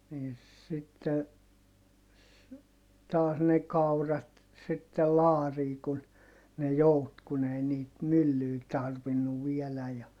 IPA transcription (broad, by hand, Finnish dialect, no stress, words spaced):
niːn sitːe tɑːs ne kɑurɑt sitːel lɑːriː kun ne jout kun ei niːt mylːyː tɑrʋinːuʋ ʋielæj jɑ